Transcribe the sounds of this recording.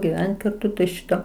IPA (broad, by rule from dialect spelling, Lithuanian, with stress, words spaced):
ɡʲɪˈʋʲɛnt kɐrˈtʊ tɐɪ ˈʃʲɪtoː